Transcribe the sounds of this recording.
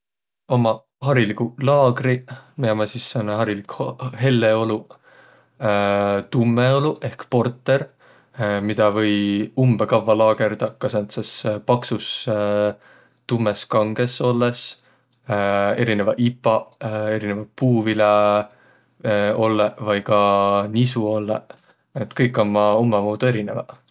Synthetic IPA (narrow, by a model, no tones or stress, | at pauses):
o̞mɑ | ɦɑɾilikulɑːɡrimiɑmɑsisːɑneɦɑɾilikhhe̞lːeo̞lu | t̪umːeo̞luʔe̞hkpo̞rt̪ːˑe̞ɾ | mid̪̥ɑvɤ̞jumbekɑvːɑlɑːɡ̥e̞ɾd̪̥ɑkɑsent̪sespɑksus | t̪umːe̞skɑŋɡ̥e̞so̞lːes | e̞ɾine̞vɑʔipːˑɑe̞ɾinevɑpuːvile | o̞lːevɑjkɑnisuo̞lːe | et̪ˑkɤjkːˑo̞nmɑumːemoːd̪̥ue̞ɾine̞vɑ